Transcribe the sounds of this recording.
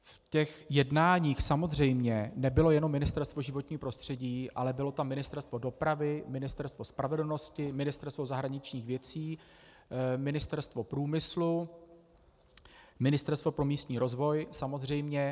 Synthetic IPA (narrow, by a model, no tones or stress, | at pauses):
fcɛxjɛdnaːɲiːxsamo̞zr̝ɛjmɲɛnɛbɪlo̞jɛno̞mːɪnɪst̪ɛɾst̪vo̞ʒɪvo̞t̪ɲiːpɾo̞st̪r̥ɛɟiːʔa̰lɛbɪlo̞t̪amːɪnɪst̪ɛɾst̪vo̞do̞pɾavɪmɪnɪst̪ɛɾst̪vospɾavɛdl̩no̞scɪmɪnɪst̪ɛɾst̪vo̞zaɦɾaɲɪt͡ʃɲiːxvjɛt͡siː | mɪnɪst̪ɛɾst̪vo̞pɾuːmɪslu | mɪnɪst̪ɛɾst̪vo̞pɾo̞miːst̪ɲiːɾo̞zvo̞jsamozr̝ɛjmɲɛ